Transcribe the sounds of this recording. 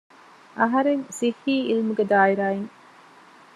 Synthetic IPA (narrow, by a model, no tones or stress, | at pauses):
ʔɐɦɐɾeŋsihːiːilmuɡed̪aːiɾaːeŋ